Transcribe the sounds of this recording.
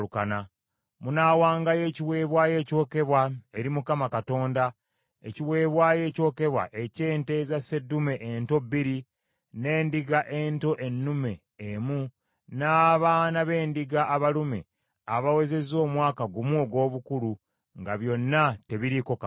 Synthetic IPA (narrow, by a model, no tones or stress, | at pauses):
ukana | munaːwaːŋɡaje̞ːciwe̞ːβwaːje̞ːco̞ːke̞βwaeɾimukamakato̞ːnda | eciwe̞ːβwaːje̞ːco̞ːke̞βwa̰ʔe̞ceːnte̞zase̞dːume̞ʔento̞bːiɾi | ne̞ːndiɡaʔe̞ːnto̞ʔe̞nːume̞ː | mu | naːβaːnaβe̞ːndiɡaʔːβalumḛ | aβawe̞ze̞zo̞ːmwaːkaɡumuoɡwo̞ːβukulu | ŋɡaβjo̞nːate̞βiɾiko̞ka